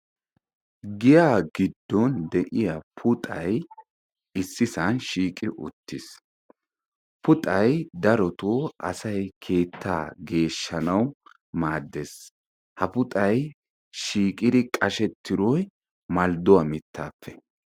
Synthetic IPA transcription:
ɡɪjaːɡɪd̪ːɔnd̪ɛʔɪjɐpʰʊt̪ʼɐj | ɪsːɪsɐnʃiːkʼɪʔʊ̰t̪ːɪs | pʰʊt̪ʼɐjd̪ɐɾɔt̪oːɐ̰sɐjkʰe̞ːt̪ʰːa̰ːɡe̞ːʃːɐnɐw | maːd̪ːes | hɐpʊt̪ʼɐj | ʃiːkʼɪd̪ɪkʼɐʃɛt̪ʰːɪɾɔj | mɐld̪ɔwɐmɪt̪ːaːpʰːɛ̥

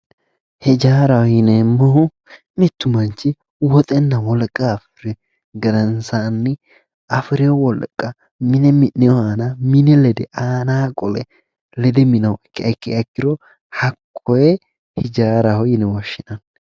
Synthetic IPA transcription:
hɪd͡ʒaːɾɐhɔjɪnɛmːɔhʊ | mɪt̪ːʊmɐnt͡ʃːɪ | wɔt̪ʼɛnːɐwɔlkʼːaːfɪɾɛ | ɡɐɾɐnsaːnːɪ | ɐfɪɾɪjɔwɔlkʼːɐ | mɪnɛmɪnːɪjɔhaːnɐmɪnɛlɛd̪ɛʔaːnaːkʼɔlɛ̰ | lɛd̪ɛmɪnɐwɛkːɪɐkːɪɐkːɪɾɔ | hɐkʰʼːɔjɛ | hɪd͡ʒaːɾɐhɔjɪnɛwɔʃːɪnɐn

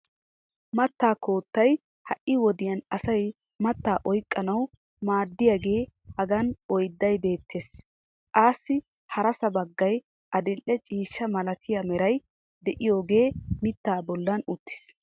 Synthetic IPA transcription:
mɐt̪ːaːko̞ːt̪ːɐj | hɐʔʔːɪwɔd̪ɪjɐnɐsɐj | mɐt̪ːaːʔɔjkʼːɐnɐw | maːd̪ːɪjaːɡe̞ːhɐɡɐnɔjd̪ːɐjbe̞ːt̪ʰːe̞ːs | kʼaːsːɪ | hɐɾɐsɐbɐɡːɐj | ʔɐd̪ɪlʔːɛt͡ʃʼiːʃːɐmɐlɐt̪ʰɪjɐmɛɾɐj | d̪ɛʔɪjo̞ːɡe̞ːmɪt̪ːaːbɔlːɐnʊt̪ːɪ̥s

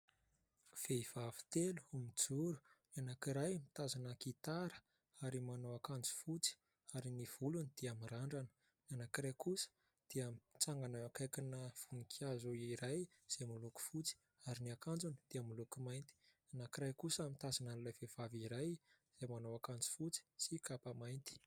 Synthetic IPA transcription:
v̥eiv̥avi̥t̪elu̥umid͡zuɾu̥nianakiɾajmit̪azanəkit̪aɾə̥ | aɾimanowakand͡zu̥fut͡si̥ | aɾiniv̥ulunid̪̥iamiraɳɖ͡ʐanə̥ | nanakiɾajkusə̥ | d̪̥eamit͡saŋɡanawakajkinəv̥unikʰazoiɾaj | z̥emuluku̥fut͡si̥ | aɾiniakand͡zunid̪̥iamulukumajnt̪i̥nanakiɾajkusamit̪azananlajvev̥aviɾaj | z̥emanowakand͡zi̥fut͡si̥sikapamajnt̪i̥

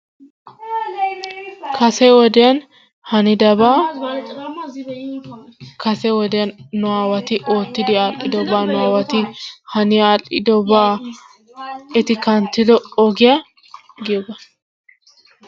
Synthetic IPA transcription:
kɐsɛwɔd̪ɛjɐn | hɐnɪd̪ɐbaː | kɐsɛwɔd̪ɛjɐnːʊwaːwɐt̪ɪʔo̞ːt̪ːɪd̪ɪaːlʔɪd̪ɔbaːnʊwaːwɐt̪ɪhɐnɪaːlʔɪd̪ɔbaː | ɛt̪ɪkɐnt̪ːɪd̪ɔɔɡɪja | ɡɪjɔbɐ

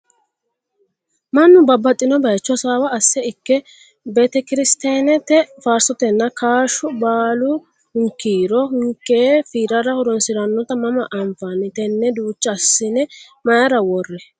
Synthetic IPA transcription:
mɐnːʊbɐbːɐt̪ʼːɪnɔbɐjt͡ʃːɔsaːwɐːsːɛɪkːɛ | bɛt̪ɛkɪɾɪst̪eːnɛt̪ːɛfaːɾsɔt̪ɛnːɐkaːʃʊbaːlʊ | hʊŋkːiːɾɔhʊŋkːeːfiːɾɐɾɐhɔɾɔnsɪɾɐnːɔt̪ɐmɐmɐʔɐɱfɐnːɪt̪ɛnːɛd̪uːt͡ʃːɐsːɪnɛ | mɐjɐɾɐwɔrːɛ

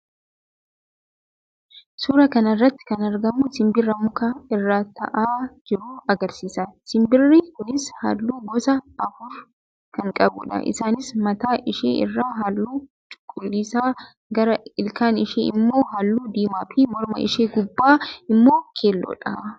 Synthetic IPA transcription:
suːɾɐkɐnɐrːɐt̪ːɪ̥kɐnɐɾɡɐmʊsɪmbɪrːɐmʊkaɪrːaːt̪ɐ̰ʔaːd͡ʒɪɾuːɐɡɐɾsiːsɐsɪmbɪrːikʊnɪsha̰ːlːuːɡɔsɐɐfʊɾ | kɐŋkʼɐbʊᶑɐ̰ʔɪ̰saːnɪsmɐt̪aːʔɪʃḛːɪ̰rːaːɦaːlːuː | t͡ʃʼʊ̥kʼːʊlːiːsaː | ɡɐɾɐɪlkaːnɪʃḛːɪmːo̞ːɦaːlːuːd̪iːmaːfimɔɾmɐ̰ʔɪ̰ʃeːɡʊbːaːɪmːo̞ːkʰeːlːo̰ːᶑɐ

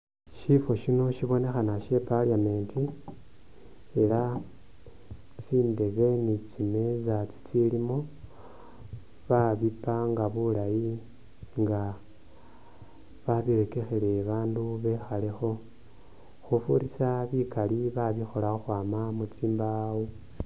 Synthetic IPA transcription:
ʃifo̞ʃino̞ʃiβo̞ne̞xanaʃe̞palijame̞ːnti | ela | t͡siːnde̞βe̞nit͡sime̞zat͡si̥t͡silimo | βaβipaŋɡaβulaji | ŋɡa | βaβiɾe̞ke̞xele̞βaːnduβe̞xale̞xo̞ | xufuɾisaβikaliβaβixo̞laoxwaːmamut͡siːmbawo

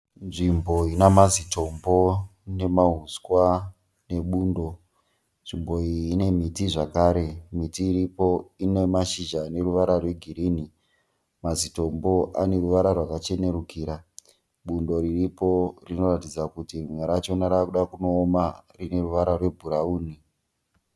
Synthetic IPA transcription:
nʐimbo̞inamazito̞mbo̞ne̞maɦuskwa | ne̞ɓuːndo̞ | nʐimbo̞ine̞mitiʐakaːɾe̞mitiːɾipoine̞maʃiʒane̞ruʋaɾarwe̞ɡʱiɾiːni | mazito̞mbo̞ʔa̰ne̞ɾuʋaɾarwakat͡ʃe̞ne̞ɾukiːɾa | ɓundo̞ɾiripo̞rino̞ratid͡zakutimwaɾaːt͡ʃonaɾakuɗakuno̞ːmarine̞ruʋaɾarwe̞bʱuɾauːni

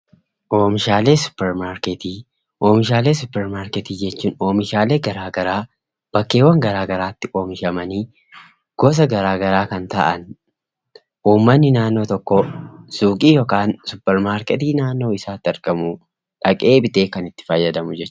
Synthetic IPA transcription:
ʔo̞ːmɪʃaːle̞ːsʊ̥pːɛɾmaːɾkɛt̪iː | ʔo̞ːmɪʃaːle̞ːsʊpːɛɾmaːɾkɛt̪iːd͡ʒɛt͡ʃːuːno̞ːmɪʃaːle̞ːɡɐɾaːɡɐɾaː | b̥ɐkːe̞ːwːɐŋɡɐɾaːɡɐɾaːt̪ːɪʔo̞ːmɪʃɐmɐniː | ɡ̥ɔs̬ɐɡɐɾaːɡɐɾaːkɐnt̪ɐ̰ʔɐn | ʔuːmːɐnːɪnaːnːo̞ːt̪ɔkːɔsuːkʼiːjoːkaːnsʊpːɛɾmaːɾkɛt̪iːnaːnːo̞ːɪsaːt̪ːɐɾkʼɐmʊ | ᶑɐkʼe̞ːbɪt̪e̞ːkɐnɪt̪ːɪ̥fɐjːɐd̪ɐmʊd͡ʒɛt͡ʃː

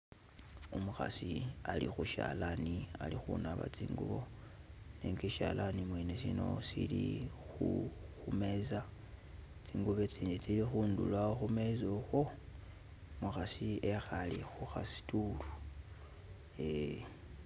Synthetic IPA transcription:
umuxa̰sialḭxuʃalanialixṵnaβa̰t͡siːŋɡṵβo̞ | neŋɡeʃalanimwenesino̞̰silixuxume̞za | t͡siːŋɡuβet͡siːnit͡silixuːndṵlwaoxume̞zoxo̞ | muxasiexalixuxasi̥tulu | e

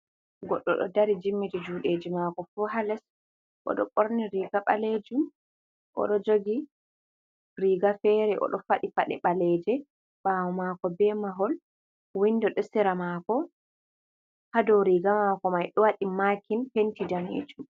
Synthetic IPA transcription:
ɡɔɗːɔ̰ɗɔ̰daɾid͡ʒimːitid͡ʒuɗed͡ʒimakɔfuɦalɛs | ʔɔ̰ɗɔ̰ɓoɾniɾiɡaɓaled͡ʒum | ʔɔ̰ɗɔd͡ʒoɡi | ɾiɡafɛːɾɛʔɔ̰ɗɔfaɗifaɗɛɓalɛd͡ʒɛ | bawɔmakɔbɛmaɦɔl | windɔɗɔsɛɾamakɔ | hadɔɾiɡamakɔmajɗɔwaɗimakinpentidanḛːd͡ʒum

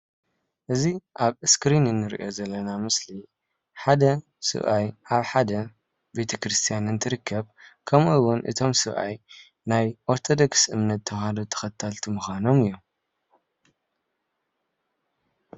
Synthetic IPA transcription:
ʔɨziʔaβɨskɾinɨnːɨɾḭʔo̞zɐlːɐnamɨsli | ħad̪ɐ | sɨ̰βʔajʔaβħad̪ɐ | be̞t̪ʰɐkɾɨst̪ʰijanɨnt̪ʰɨɾɨkʰːɐβkʰɐmujwʊnʔɨ̰t̪ʰo̞msɨβʔa̰j | najʔoɾt̪ʰo̞d̪o̞ksɨmnɐt̪ʰːɐhad̪ot̪ʰɐ̥xɐt̪ʰːalt̪ʰimɨxʷano̞mɨjːu

